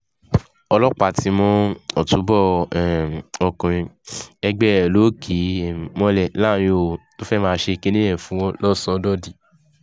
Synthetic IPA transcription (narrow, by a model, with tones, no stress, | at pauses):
ɔ˧lɔ˦k͡pa˨ti˨˦mɔ̃˧ɔ˨tu˨˦bɔ˦˨ | ɔ˧kũ˨ĩ˧ɛ˧ɡ͡bɛ˦˨lo˨˦kʰi˨˦˨mɔ̃˧lɛ˨la˦˨j̃o˨to˦fɛ˦mãː˦ʃe˧ke˦nĩ˦ɛ̃˦˨fũ˨˦w̃ɔ̃˦lɔ˦˨sɔ˧˦dɔ˦di˨